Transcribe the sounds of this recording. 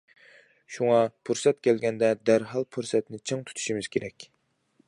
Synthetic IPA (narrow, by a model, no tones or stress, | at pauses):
ʃuŋɑpʰuɾsɛt̪kʲʰɛlɡʲɛnd̪ɛd̪æɾɦɑlˠpʰuɾsɛt̪nɪt͡ʃʰeŋt̪ʰu̥t̪ʰu̥ʃimɪz̥kʲʰeɾɛkʲ